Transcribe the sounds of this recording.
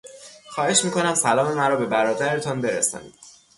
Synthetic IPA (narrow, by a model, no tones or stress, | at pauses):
xɒːhe̞ʃmiːkʰo̞næmsælɒːme̞mæɾɒːbe̞bæɾɒːd̪æɾet̪ʰɒnbe̞ɾḛsɒ̰ːnḭːd̪̥̚